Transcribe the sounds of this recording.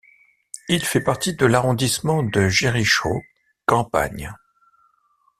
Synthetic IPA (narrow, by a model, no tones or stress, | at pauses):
ilfɛpaʁt̪id̪əlaʁɔ̃d̪ismɑ̃d̪əʒiʁiʃo̰ | kɑ̃pa̰ɲ